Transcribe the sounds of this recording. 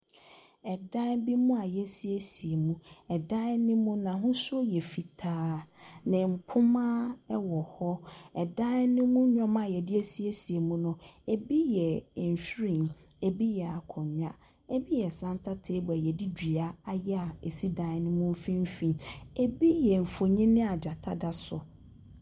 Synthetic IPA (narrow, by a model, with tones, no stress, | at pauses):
ɛ˨dã˦bi˦mũ˦a˨jɛ˦si˦e˦si˨e˨mũ˦ɛ˨dã˦nɪ̃˦mũ˦nã˨ɦʊ̃˦so˦jɛ˨fi˨tʰaː˦nɪ̃˨m̩˨pʰʊ˦mã˦ɛ˦wɔ˨hɔ˦ɛ˨dã˦nɪ̃˦mũ˦ɲᶣɔ̃˦mã˨jɛ˨dɪ˦e˦si˦e˦si˨e˨mũ˦nʊ̃˨e˨bi˦jɛ˨n˨ɕᶣɾĩ˨n | e˨bi˦jɛ˨a˨kʰɔ̃˨ɲã˦ | e˦bi˦jɛ˨sã˦ntʰa˦tʰe˦bɔ˨ɛ˨jɛ˨di˦di˨a˦a˦jɛ˦a˨e˨si˦da˦ɛ˦nɪ̃˦mũ˦m˦fĩ˦m˦fĩ˦ne˨bi˦jɛ˨m̩˨fo˨ɲĩ˦nɪ̃˦a˨d͡ʑa˨tʰa˦da˦sʊ˨